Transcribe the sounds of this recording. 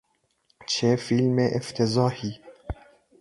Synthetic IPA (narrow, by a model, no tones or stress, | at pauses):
t͡ʃʰefilmeʔɪft̪ʰezɑːhi